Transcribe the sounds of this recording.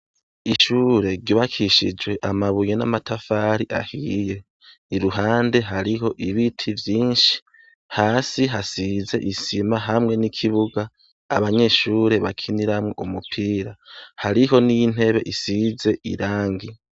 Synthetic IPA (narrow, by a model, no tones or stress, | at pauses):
iʃuːɾe̞ɾɟiβakʰiʃḭd͡ʒwe̞ʔamaβujena̰matafaɾiʔa̰hije̞ | iɾuɦaːnde̞ɦaɾiɦo̞ʔiβitʰivjiːnʃi̥ | haːsiɦasize̞̰ʔisimaɦamŋe̞nikʰiβuɡaː | βaɲe̞ʃuːɾe̞βakʰiniɾamŋe̞ʔumupʰiːɾahaɾiɦo̞nijin̥he̞βe̞̰ʔisize̞ʔḭɾaːŋɡi